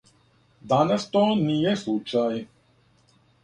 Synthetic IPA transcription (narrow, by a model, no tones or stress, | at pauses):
d̪anast̪oːnijɛslˠut͡ʃaj